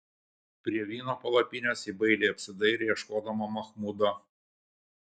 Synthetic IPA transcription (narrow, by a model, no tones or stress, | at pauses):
pʲɾʲiɛʋʲiːnoːpɐlˠɐpʲɪnʲoːsiːbɐɪlʲeːɐpʲsʲɪd̪ɐɪɾʲejɛʃkoːd̪ɐmɐmɐxmud̪ɐ